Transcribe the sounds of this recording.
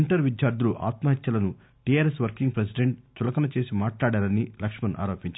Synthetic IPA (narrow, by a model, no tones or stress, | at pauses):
ɳʈɐɾʋid̪jaːɾd̪ʱuluʔa̰ːt̪mɐɦɐt̪jɐlɐnu | ʈijaːɾesʋɐɾkiŋɡpɾes̬iɖeɳʈ̚t͡ʃulɐkɐnɐt͡ʃe̞ːsimaːʈlaːɽaːɾɐnilɐkʂmɐnʔa̰ːɾoːpiɲt͡ʃa